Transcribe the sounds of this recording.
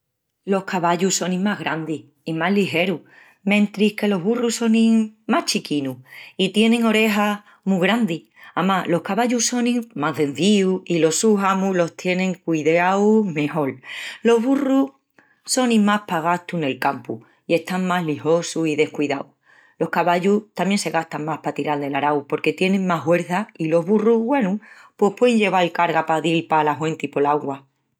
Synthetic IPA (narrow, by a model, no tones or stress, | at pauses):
lo̞hkaβaʎuso̞nĩmaɦɣɾand̪i | imaɦliɦe̞ɾu | mẽ̞nt̪ɾihke̞lo̞ɦβuruso̞nĩmaht͡ʃikinuit̪je̞nẽ̞ŋo̞ɾe̞ɦa | muɣɾand̪i | amalo̞hkaβaʎuso̞nĩmaðe̞nθiuilo̞suɦamulo̞ht̪je̞nẽ̞ŋkiiðawme̞ho̞llo̞ɦβuru | so̞nĩmahpaɣ̞ast̪une̞lkampu | ie̞ht̪aŋmaɦliho̞susiðe̞hkwiðaw | lo̞hkaβaʎuht̪amje̞nse̞ɣast̪aŋmahpat̪iɾald̪e̞laɾawpo̞ɾke̞t̪je̞nẽ̞ŋmaɦwe̞ɾθailo̞ɦβuruβwe̞nupwe̞hpwe̞ðeɲʎe̞β̞alkaɾɣapaðilpalaɦwent̪ipo̞laɣwa